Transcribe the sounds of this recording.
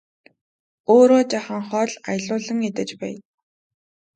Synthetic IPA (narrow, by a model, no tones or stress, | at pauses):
oːɾoːt͡ɕaχə̆ŋχɔːɮajɮʊːɮə̆ŋit̪ɘ̆t͡ɕpæ̰ːj